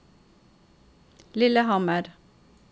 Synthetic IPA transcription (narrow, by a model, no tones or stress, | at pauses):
lɪləhɑməɾ